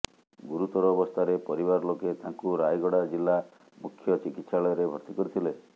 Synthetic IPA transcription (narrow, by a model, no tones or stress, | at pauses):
ɡuɾut̪ɔɾɔːbɔst̪ʰaɾepɔɾibaɾɔloket̪aŋkuɾajɡɔɽad͡ʒilːa | mukʰːjɔt͡ʃikit̪saɭɔjɔɾebʱɔɾt̪ikɔɾit̪ʰile